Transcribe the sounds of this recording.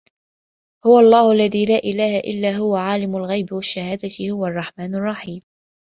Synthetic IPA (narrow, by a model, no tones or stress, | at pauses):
hʊwaʔɑlˤːɑːhʊʔalːaðiːlaːʔɪlaːhaʔɪ̰lːaːɦʊwaʕaːlɪmʊlɣajbɪwaʃːahaːd̪at̪ɪhʊwaɑrˤːɑħmaːnarˤːɑħiːm